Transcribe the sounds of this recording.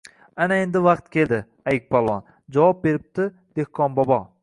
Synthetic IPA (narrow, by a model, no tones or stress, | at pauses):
anaend̪ɪvɑqt̪kʲʰe̞ld̪ɪ | ajɪk̚ʲpʰɒlˠwɒn | d͡ʒavɒp̚be̞ɾɪp̚t̪ʰɪ | d̪̥e̞hqʰɒnbɒbɒ